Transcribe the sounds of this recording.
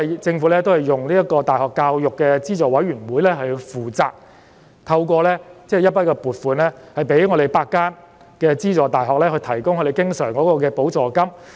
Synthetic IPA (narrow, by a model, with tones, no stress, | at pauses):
t͡sɪ˧ŋfuː˨˥lɛː˥t̪̬o˥whɐ˨jːʊ˨ŋliː˥jɐ˥t̚kɔː˧t̪aː˨jhɔː˨kːaː˧wjʊ˨kːɛː˧t͡siː˥t͡sɔː˨wɐ˨˥jɥyː˨˩nwuː˨˥jlɛː˥ɦɵ˧fuː˨˩t͡sa̰ː˨k̚ | t̪ʰɐ˧wkɔː˧lɛː˥t͡sɛː˥˩˨jɐ˥t̚pɐ˥t̚kɔː˧puː˨˩t̚fuː˨˧nlɛː˥hɐ˨˩jpe˨˥jŋɔː˨˧ɾe˨˩jpaː˧kːaː˥n | kɛː˧t͡siː˥t͡sɔː˨˩t̪aː˨˩jɦɔː˨k̚lɛː˥hɵ˧jt̪ʰɐ˨˩jkʊ˥ŋkʰɵ˧ɾe˨jkɪ˥ŋsœː˨˩ŋkɔː˨˥kɔː˧kɛː˧po˨˥wt͡sɔː˨˩kɐ˥m